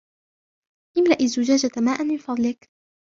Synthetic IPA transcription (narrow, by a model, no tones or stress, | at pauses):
ʔɪmlaʔɪzːʊd͡ʒaːd͡ʒat̪maːʔanmɪnfɑd̪ˤlɪk